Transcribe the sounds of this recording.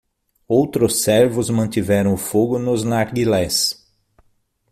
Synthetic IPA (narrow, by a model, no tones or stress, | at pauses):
owt̪ɾʊsɛɾvʊzmɐ̃nt̪ivɛɾɐ̃w̃ʊfoɡʊnʊznaɾɡilɛs